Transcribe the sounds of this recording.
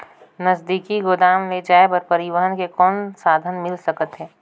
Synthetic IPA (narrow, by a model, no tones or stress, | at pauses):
nɐzd̪iːkiɡod̪aːmled͡ʒaːebɐɾpɐɾɪʋəɦənkekɔːnsaːd̪ʱənmɪlsɐkət̪ɦɛː